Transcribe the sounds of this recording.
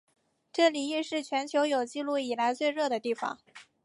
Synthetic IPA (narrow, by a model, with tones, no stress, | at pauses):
ʈ͡ʂɤ˥˩li˨˩i˥˧ʂɻ̩˥˩t͡ɕʰɥɛ˧˥nt͡ɕʰjo˧˥ʊjo˨˩ʊt͡ɕi˥˧lu˥˩i˨˩la˧˥ɪt͡swe˥˧ɪɻɤ˥˩d̪ə˩t̪i˥˩fɑ̰˩ŋ